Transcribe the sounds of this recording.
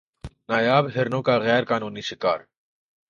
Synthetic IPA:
naːjaːbɦɪɾnõːkaɣɛːɾkaːnuːniʃɪka̰ːɾ

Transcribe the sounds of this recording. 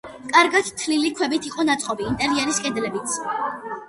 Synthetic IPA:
kʼaɾɡat̪t̪ʰlilikʰwɛbit̪ʰiqʼɔnat̪sʼqʼɔbiːnt̪ʼɛɾiɛɾiskʼɛd̪lɛbit̪sʰ

